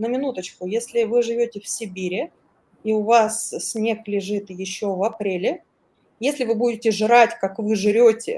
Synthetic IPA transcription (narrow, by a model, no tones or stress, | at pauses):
nəmʲɪnut̪ət͡ɕkʊjesʲlʲɪvɨʐɨvʲotʲɪfsʲɪbʲiɾʲɪ | iʊvassʲnʲe̞klʲɪʐɨt̪jɪɕːovɐpɾʲelʲɪ | jesʲlʲɪvɨbudʲɪtʲɪʐɨɾatʲkakvɨʐɨɾʲotʲɪ̰